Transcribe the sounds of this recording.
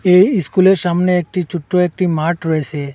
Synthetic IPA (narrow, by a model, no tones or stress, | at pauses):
ejskuleɾʃamneek̚ʈit͡ɕuʈːoek̚ʈimaɾʈɾɔet͡ɕʰe